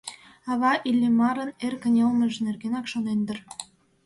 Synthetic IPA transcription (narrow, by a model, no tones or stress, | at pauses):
ɑβɑʔilʲːemɑɾə̆nerkə̆nʲelˠmə̆ʒnerɣenɑkʃonend̪ə̆r